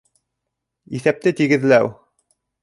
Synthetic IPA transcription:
iθæp̚t̪ɘt̪iɡɘ̆ðlæw

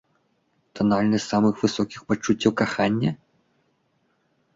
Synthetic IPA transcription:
t̪ɐnalʲnɨsʲsamɨxvɨsɔkʲixpat͡ʂːut͡sʲːɐwkaxanʲːɐ

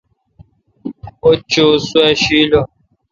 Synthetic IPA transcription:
ot͡ʃoswɛʃilɔ

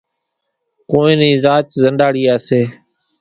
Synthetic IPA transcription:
koːĩːnĩːzaːt͡ʃzənɖaːɽiːaːseː

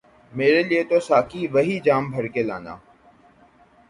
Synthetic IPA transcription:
meːɾeːliet̪oːsaːkiːʋəɦiːd͡ʒaːmbʱəɽkeːlã̰ːnd̪a̰ː

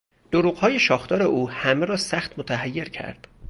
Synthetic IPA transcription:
d̪̥oɾuːɣ̥hɒːje̞ʃɒːxt̪ɒːɾe̞ʔuːhæmeɾɒːsæxt̪mot̪ʰæɦæjːe̞ɾcʰæ̰ɾd̪̥

